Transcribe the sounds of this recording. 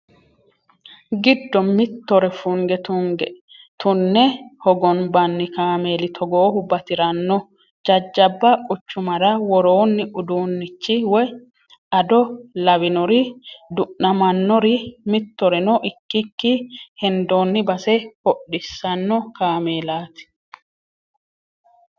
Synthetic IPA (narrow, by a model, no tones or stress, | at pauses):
ɡɪd̪ːɔmɪt̪ːɔɾɛfuŋɡɛt̪uŋɡɛ | t̪ʰʊnːɛhɔɡɔnbɐnːɪkaːmeːlɪt̪ʰɔɡoːhʊbɐt̪ɪɾɐnːɔ | d͡ʒɐd͡ʒːɐbːɐʊt͡ʃːʊmɐɾɐwɔɾoːnːɪʔʊd̪uːnːɪt͡ʃːɪwɔj | ɐd̪ɔlɐβɪnɔɾɪd̪ʊʔnɐmɐnːɔɾɪmɪt̪ːɔɾɛnɔʔɪkːɪkːɪhɛnd̪oːnːɪbɐsɛhɔɗːɪsːɐnːɔkaːmeːlaːt̪ɪ̥